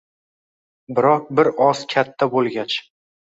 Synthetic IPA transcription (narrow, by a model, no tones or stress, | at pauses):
bɪɾɒq̚bɪɾɒskʲʰat̪ʰːabolˠɡʲat͡ʃ